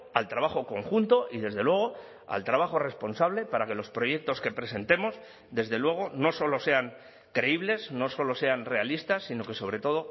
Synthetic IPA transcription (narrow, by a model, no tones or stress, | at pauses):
alt̪ɾaβ̞axo̞ko̞ŋxunt̪o̞ʔiðe̞zðe̞lwe̞ɣ̞o̞ | a̰lt̪ɾaβaχo̞re̞spo̞nsaβle̞paɾake̞lo̞spɾo̞je̞k̚t̪o̞ske̞pɾe̞se̞nt̪e̞mo̞z | ðe̞zðe̞lwe̞ɣ̞o̞no̞so̞lo̞se̞aŋ | kɾe̞iβ̞le̞snoso̞lo̞se̞anre̞alist̪asːino̞ke̞so̞β̞ɾe̞t̪o̞ð̞o̞